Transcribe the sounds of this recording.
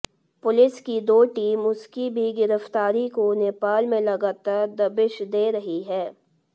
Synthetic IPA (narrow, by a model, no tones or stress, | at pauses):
pʊlɪskid̪oːʈiːmʊskibʱiɡɪɾəft̪aːɾikoneːpaːlmẽlɐɡaːt̪əɾd̪ɐbɪʃd̪eːɾɐɦiɦɛː